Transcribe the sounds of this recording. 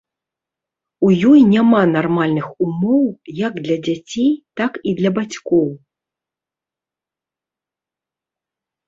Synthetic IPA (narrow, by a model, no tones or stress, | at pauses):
ujɔjnʲamanarmalʲnɨxumɔwjaɡd̪lʲɐd͡zʲat͡sʲejt̪akid̪lʲɐbat͡sʲkɔw